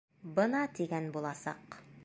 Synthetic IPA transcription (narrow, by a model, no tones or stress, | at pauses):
bɤnɑt̪iɡænbulˠɑsɑ̰q